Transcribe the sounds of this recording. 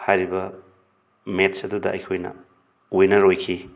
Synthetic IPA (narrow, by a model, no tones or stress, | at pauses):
hajɾibɐ | metsɐdudɐɐ̰jkʰojnɐ̰ | ojnɐɾojkʰi